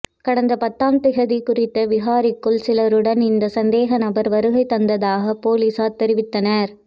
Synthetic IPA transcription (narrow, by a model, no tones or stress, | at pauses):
kɐɽɐnd̪ɐpɐt̪ːaːmt̪ɪɣɐðikʊrɪt̪ːɐʋɪɣaːɾɪkːɯɭsɪlɐɾɯɽɐnɪnd̪ɐsɐnd̪eːɣɐnɐbɐɾʋɐɾɯɣɐɪt̪ːɐnd̪ɐðaːɣɐpoːliːsaːt̪ːɛɾɪʋɪt̪ːɐnɐɾ